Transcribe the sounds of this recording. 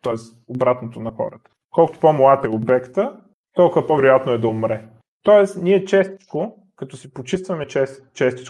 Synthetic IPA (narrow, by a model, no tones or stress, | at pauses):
t̪ɔɛs | obɾat̪not̪onɐxɔ̰ɾə̰t̪ə̥ | kɔlˠkʊt̪o̥pɔmlˠat̪ɛobɛkt̪ə | t̪ɔlˠkʊvɐpɔvɛɾʊjat̪noɛd̪ɐʊmɾɛ | t̪ɔɛsniɛt͡ʃɛst̪i̥t͡ʃko | kɐt̪ɔsipot͡ʃist̪vɐmɛt͡ʃɛs | t͡ʃɛst̪i̥t͡ʃ